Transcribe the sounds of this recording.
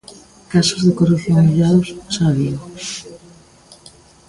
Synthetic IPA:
kasozðekoruθjoŋmiʎaðʊssaβio

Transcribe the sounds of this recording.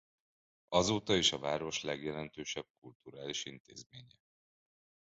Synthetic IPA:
ɒzoːt̪ɒiʃɒvaːɾo̞ʃlɛɡjɛlɛnt̪øːʃɛb̥̚kult̪uɾaːliʃint̪ḛːzmeːɲɛ

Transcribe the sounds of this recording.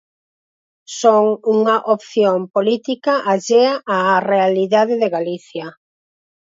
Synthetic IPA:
soŋuŋɐʔopθjompolit̪ikɐʔaʒeaʔaːrealiðaðeðeɣaliθjɐ

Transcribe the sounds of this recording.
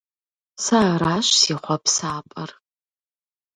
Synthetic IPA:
saːɾaːʃsiːχʷɔpsaːpʼɐr

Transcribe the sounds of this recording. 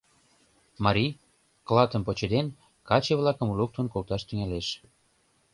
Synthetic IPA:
mɑɾʲi | klɑt̪ə̆mpot͡ɕed̪en | kɑt͡ɕeβlɑkə̆mulok̚t̪onkolt̪ɑʃt̪yŋæleʃ

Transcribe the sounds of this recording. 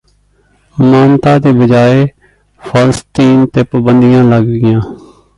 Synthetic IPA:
maːnt̪ãːd̪eːbəd͡ʒaːeː | pʰaːləst̪iːnt̪eːpəbənd̪ijãːləɡɡɪjãː

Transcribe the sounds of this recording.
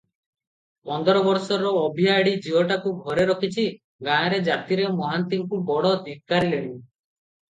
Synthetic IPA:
pɔnd̪ɔɾɔbɔɾsɔɾɔːbʱiaɽid͡ʒiɔʈakuɡʱɔɾeɾɔkʰit͡ʃʰi | ɡaɾed͡ʒat̪iɾemɔɦant̪imkubɔɽɔd̪ʱik̚kːaɾileɽ̃i

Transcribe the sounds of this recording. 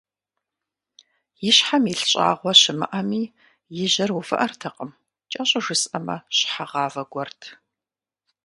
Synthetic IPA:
jɪɕħamɪɬɕʼa̰ːʁʷɔɕɪmɨ̰ʔɐmiː | jɪʑɐrwufɐ̰ʔɐrtʰɐqʼəm | t͡ʃʼɐɕʼɐʒɨsʼɐmɐ̰ɕħaʁɑːvɐɡʷɔrtʰ

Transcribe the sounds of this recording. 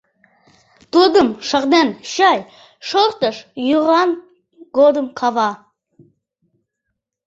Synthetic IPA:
t̪ud̪əmʃəqd̪ænʃɑj | ʃoɾt̪əʃjuʁɑn | ɡod̪əmkʰɑvɑ

